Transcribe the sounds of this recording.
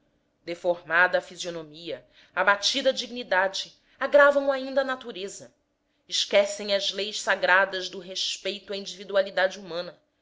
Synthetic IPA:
d̪efoɾmad̪ɐːfizionomiɐ | abat͡ʃid̪ɐd͡ʒiɡ̚nid̪ad͡ʒɪ | aɡɾavɐ̃w̃aĩnd̪ɐaːnat̪uɾezɐ | ɪʃkɛsẽj̃ɐzlejʃsaɡɾad̪ɐzd̪ʊɦeʃpejt̪uaĩd͡ʒivid̪ualid̪ad͡ʒumɐ̃nɐ

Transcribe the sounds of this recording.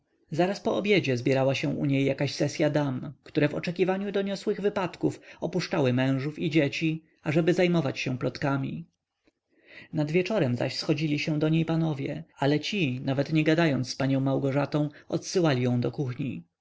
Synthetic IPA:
zaɾaspɔɔbʲjed͡ʑɛzbʲjɛɾawaɕɛ̃ʔṵɲejːakaɕsɛsʲjad̪amkt̪uɾɛvɔ̰t͡ʂɛkʲivaɲud̪ɔɲɔswɘɣvɘpat̪kufɔpuʂt͡ʂawɘmɛ̃w̃ʐufid͡ʑet͡ɕi | aʐɛbɘzajmɔvat͡ɕɕɛplɔt̪kamʲḭ | nad̪vʲjɛt͡ʂɔɾɛmza̰ɕsxɔd͡ʑilʲiɕɛ̃d̪ɔɲejpanɔvʲjɛalɛt͡ɕinavɛt̪ɲɛɡad̪ajɔnt̪sspaɲɔ̃w̃mːawɡɔʐat̪ɔ̃w̃ɔt̪sɘwalʲijɔ̃w̃d̪ɔkuxɲi

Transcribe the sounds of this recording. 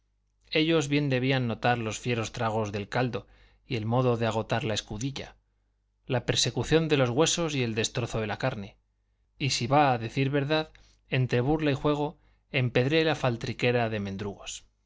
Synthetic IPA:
e̞ʎo̞zβje̞nd̪e̞β̞ianːo̞t̪aɾlo̞sfje̞ɾo̞st̪ɾaɣ̞o̞zðe̞lkald̪o̞ | ie̞lmo̞ðo̞ðe̞aɣ̞o̞t̪aɾlae̞skuðiʎa̰ | lape̞ɾse̞kuθjo̞nd̪e̞lo̞zɣwe̞so̞sie̞ld̪e̞st̪ɾo̞θo̞ðe̞lakaɾne̞ | isiβaːðe̞θiɾβe̞ɾðað | e̞nt̪ɾe̞βuɾlaixwe̞ɣ̞o̞ | e̞mpe̞ðɾe̞lafalt̪ɾike̞ɾaðe̞mẽnd̪ɾuɣo̞s

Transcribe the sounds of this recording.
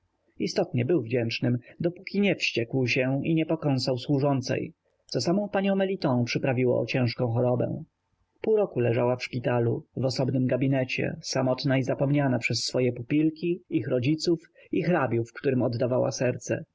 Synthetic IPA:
ist̪ɔt̪ɲɛbɘwvd͡ʑɛnt͡ʂnɘmd̪ɔpukʲiɲɛfɕt͡ɕɛkwɕɛiɲɛpɔkɔ̃ñsawswuʐɔnt̪sɛ̰j | t̪sɔsamɔ̃w̃paɲɔ̃w̃mɛlʲit̪ɔ̃w̃pʂɘpɾavʲiwɔ̰ɔ̰t͡ɕɛ̃ʂkɔ̃w̃xɔɾɔbɛ̰̃ | puɾɔkulɛʐawafʂpʲit̪aluvɔsɔbnɘmɡabʲinɛt͡ɕɛ̰samɔt̪naizapɔmɲanapʂɛsːfɔjɛpupʲilkʲiixɾɔd͡ʑit̪suf | ixɾabʲjufkt̪uɾɘmɔd̪ːavawa̰sɛɾt̪sɛ̰

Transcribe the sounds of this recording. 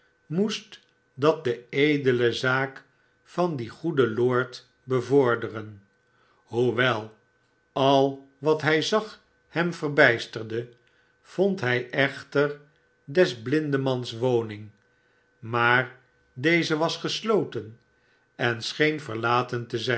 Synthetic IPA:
must | dɑt̚d̪əejdələzaːk | fɑndiχudəloːɹt | bəvʊːɹdərən | huʋɛlˠ | ɑlˠ | ʋɑtɦɛjzɑχ | hɛmfərbɛjstəʁdə | v̥ontɦɛjʔɛχtər | dɛzblɪndəmɑnsʋownɪŋ | maːɹ | dejzəʋɑsχəslowtən | ɛnsχejnfəʁlaːtəntəzɛ

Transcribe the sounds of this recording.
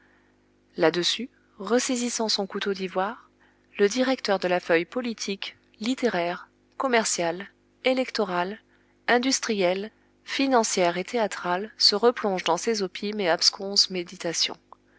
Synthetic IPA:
lad̪əsy | ʁəsezisɑ̃sɔ̃kut̪od̪ivwaʁ | ləd̪iʁɛkt̪œʁd̪əlafœjpɔlit̪ʰik | lit̪eʁɛʁ | kɔmɛʁsjal | elɛkt̪ɔʁal | ɛ̃d̪yst̪χijɛl | finɑ̃sjɛʁet̪eat̪χalsəʁəplɔ̃ʒd̪ɑ̃sezopʰimeapskɔ̃smed̪it̪asjɔ̰̃

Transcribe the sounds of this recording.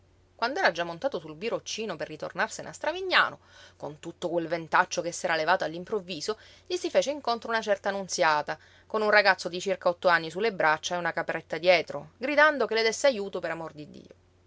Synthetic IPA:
kwand̪oɛːɾad͡ʒamːont̪aːt̪osulbiɾot͡ʃːiːnoperːit̪o̰rnarsenʔast̪ɾaviɲːa̰ːno | kont̪ut̪ːokwelvent̪at͡ʃːokesːɛːɾalevaːt̪oalːimpɾovːiːzo | ʎisifeːt͡ʃeiŋkont̪ɾounat͡ʃɛrt̪aːnunt̪sjaːt̪a | konunraɡat̪sːod̪it͡ʃirkaɔt̪ːoanːisulːebɾʔat͡ʃːaeunakapɾet̪ːad̪jɛːt̪ɾoɡɾid̪and̪okeled̪esːeajuːt̪opeɾamord̪id̪ːḭːo

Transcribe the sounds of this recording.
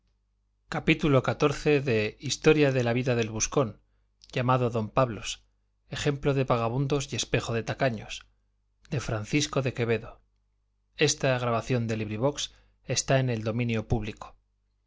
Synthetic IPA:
kapit̪ulo̞kat̪o̞ɾθe̞ðe̞ist̪o̞ɾjaðe̞laβiðaðe̞lβusko̞n | ʝamaðo̞ðo̞mpaβlo̞s | e̞χe̞mplo̞ðe̞paɣ̞aβund̪o̞sje̞spe̞xo̞ðe̞t̪akaɲo̞s | d̪e̞fɾan̟θisko̞ðe̞ke̞βe̞ðo̞ | e̞st̪aɣɾaβaθjo̞nd̪e̞liβɾiβ̞o̞ks | e̞st̪ae̞ne̞ld̪o̞mĩnjo̞puβliko̥

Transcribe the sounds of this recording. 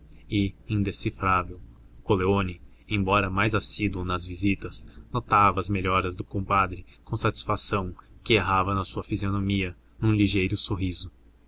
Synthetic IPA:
ɪĩnd̪esifɾavew | koleonɪ | ẽj̃bɔɾɐmajzasid̪uʊnɐzvizit̪ɐsnot̪avɐːzmeʎɔɾɐzd̪ʊkõpad̪ɾɪkõw̃sat͡ʃi̥sfasɐ̃w̃kɪeɦavɐnɐsuɐfizionomiɐ | nũliʒejɾʊsoɦizʊ

